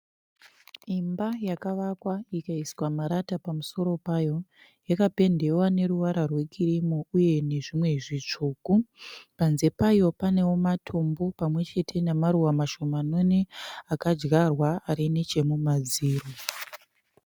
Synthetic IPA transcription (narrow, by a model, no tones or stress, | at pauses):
imbajakaʋakwaikaiswamaɾatapamuso̞ɾo̞pajo̞ | jakape̞nde̞wane̞ɾuʋaɾarwe̞kʰiɾimouje̞ne̞ʐimwe̞ʐit͡ʂuːkupanze̞pajo̞pane̞womatʰo̞mbo̞pamwe̞t͡ʃe̞tʰe̞namaɾuwamaʃo̞mano̞ne̞akad͡ʒɡarwaaɾinet͡ʃe̞mumad͡ziːro